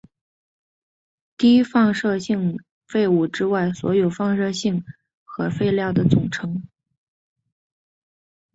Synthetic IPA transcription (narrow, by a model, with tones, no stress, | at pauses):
t̪i˥i˥fɑ˥˧ŋʂɤ˥˧ɕi˥˧ŋ | fe˥˧ɪu˥˩ʈ͡ʂɻ̩˥wa˥˩ɪswɔ̰˧˥jo˨˩ʊfɑ˥˧ŋʂɤ˥˧ɕi˥˩ŋ | xɤ˧˥fe˥˧ɪljɑ˥˩ʊd̪ə˩t͡sʊ˨˩ŋʈ͡ʂʰɤ˧˥ŋ